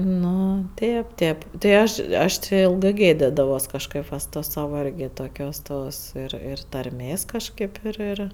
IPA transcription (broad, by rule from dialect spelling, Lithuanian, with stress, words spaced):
ˈnʊ ˈtʲeːp ˈtʲeːp tɐɪ ˈɐʃ ˈɐʃ tʲɪ ˈɪlˠɡɜ ˈɡʲeːdʲɪdɐʋoːs kɐʃˈkɜp ʋɐ sʊ ˈtoːs ˈsɑːʋɐ ˈɪrʲɡʲɪ toːˈkʲoːs ˈtoːs ɪr ˈɪr tɐrʲˈmʲeːs kɐʃˈkɐɪp ɪr ˈɪr